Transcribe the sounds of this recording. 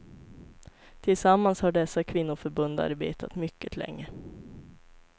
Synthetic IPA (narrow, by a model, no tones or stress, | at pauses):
t̪ʰɪlsamːanshaɖɛsːakʰvɪnːʊfœɾbɵnd̪a̰ɾbḛːt̪ʰa̰t̪mʏkːət̪lʔɛ̰ŋːə